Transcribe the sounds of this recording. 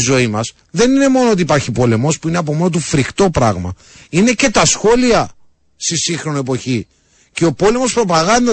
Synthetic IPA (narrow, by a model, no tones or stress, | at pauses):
zo̞imɐs | ðe̞nine̞mo̞noot̪̬iːpɐɾçipo̞le̞mospuineɐp̬o̞mo̞not̪̬ufɾixt̪o̞pɾɐɣmɐ̰ | ine̞ce̞t̪ɐsxo̞liɐ | st̪isiŋxɾo̞noe̞po̞çi | ce̞o̞po̞le̞mo̞spɾo̞pɐɣɐnd̪ɐ